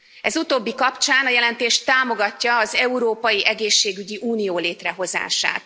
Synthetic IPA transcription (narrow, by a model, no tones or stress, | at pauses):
ɛzut̪oːbːikɒpt͡ʃaːnɒjɛlɛnt̪eːʃt̪aːmo̞ɡɒcːɒːzɛuɾoːpɒjiʔɛɡeːʃːeːɡyɟiʔuːnijoːleːt̪rɛɦo̞za̰ːʃa̰ːt̪